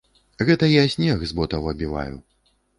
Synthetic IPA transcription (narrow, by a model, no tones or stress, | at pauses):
ɣɛt̪ɐijasʲnʲɛxzbɔt̪ɐvɐbʲiva̰jṵ